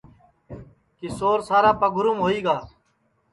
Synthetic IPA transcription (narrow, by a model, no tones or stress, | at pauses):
kisoːɾsaːɾaːpəɡʱʊɾumɦoːiːɡaː